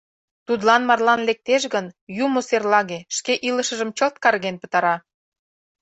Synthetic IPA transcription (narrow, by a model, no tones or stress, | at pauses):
t̪ud̪lɑnmɑrlɑnlek̚t̪eʃɣənjumoserlɑɣeʃkeʔiləʃə̆ʒə̆mt͡ɕə̆lt̪̚kɑrɣenpə̥̆t̪ɑɾɑ